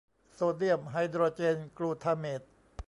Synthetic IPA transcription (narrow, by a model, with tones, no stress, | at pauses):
soː˧di˥˩əmɦa˧jd̪ɾoː˧t͡ɕeː˧nkluː˧t̪ʰaː˧meː˨˩t̪̚